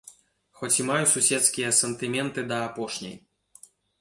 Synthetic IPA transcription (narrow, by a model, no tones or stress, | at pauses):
xɔt͡sʲimajususʲɛt̪skʲijɐsɐnt̪ɨmʲɛnt̪ɨd̪ɐːpɔʂnʲɛ̰j